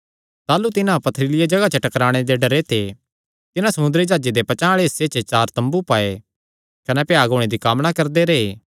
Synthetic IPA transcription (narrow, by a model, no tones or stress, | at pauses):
t̪aːlut̪ɪnãpɐt̪ʰɾɪlɪjad͡ʒɐɡat͡ʃəʈɐkɾaːɽ̃ed̪eɖɐɾet̪ʰe | t̪ɪnãsɐmʊ̃nd̪əɾid͡ʒaːd͡ʒed̪epɐt͡ʃãːɭeɦɪsːet͡ʃət͡ʃaːɾt̪ɐ̃mbupaːe | kɐnɛpjaːɡʱoːɽ̃ed̪ikaːmnakɐɾd̪eɾeeː